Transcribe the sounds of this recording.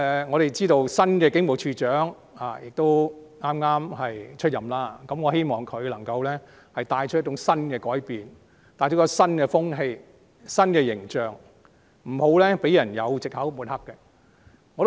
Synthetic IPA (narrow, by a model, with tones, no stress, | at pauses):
ŋɔː˨˧ɾe˨jt͡siː˥t̪o˧wsɐ˥nkɛː˧kɪ˨˥ŋmo˨˩wt͡ʃʰyː˧t͡ʃœː˨˥ŋ | aː˨˩jɪ˨k̚t̪o˥wŋaː˥mŋaː˥mhɐ˨jt͡ʃʰɵ˥t̚jɐ˨mlaː˥kɐ˨˥mŋɔː˨˧ɦe˥jmɔː˨˩ŋkʰɵ˨˧ɥlɐ˨˩ŋkɐ˧wlɛ˥ | hɐ˨jt̪aː˧jt͡ʃʰjtt͡ʃʊ˨˥ŋsɐ˥nkɛː˧kɔː˨˥jpiː˨n | t̪aː˧jt͡ʃʰo˥kːɐ˧sɐ˥nkɛː˧fʊ˥ŋɦe˧j | sɐ˥nkɛː˧jɪ˨˩ŋt͡ʃœː˨ŋ | m̩˨˩ho˨˥wlɛː˥pe˨˥jɐ˨˩njɐ̰˨˧wt͡sɪ˨k̚hɐ˨˥wmu˨˥nhɐ˥kːɛ˧ | ŋɔ˨˧t̪